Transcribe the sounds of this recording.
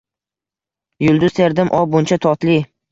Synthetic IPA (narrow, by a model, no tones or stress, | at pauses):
jʊlˠd̪ʊz̥t̪ʰeɾd̪ɪmʔɒbʊnt͡ʃʰat̪ʰɒt̪li